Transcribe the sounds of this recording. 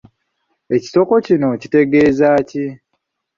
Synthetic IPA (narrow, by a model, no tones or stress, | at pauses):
e̞ci̥to̞ko̞cino̞cite̞ɡe̞ːzaːci